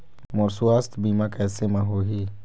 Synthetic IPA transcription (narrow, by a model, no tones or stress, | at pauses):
moɾsuaːst̪biːmãkɛːsemãɦoːɦiː